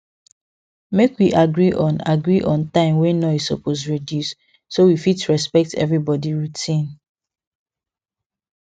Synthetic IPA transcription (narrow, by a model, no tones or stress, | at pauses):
mekwiʔaɡɹiʔɔ̃na̰ɡɹiʔɔ̃ntãɪ̃mwɛnɔisɔ̰pʰos̬ɹedjusː | owifitɹɛspɛk̚tɛ̰vɹibɔdiɹutʰĩn